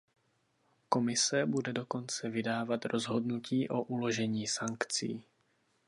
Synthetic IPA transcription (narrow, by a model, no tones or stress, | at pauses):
ko̞mɪsɛbudɛdo̞ko̞nt͡sɛvɪdaːvat̪ɾo̞zɦo̞dnuciːʔo̞ʔulo̞ʒɛɲiːsaŋkt͡sḭː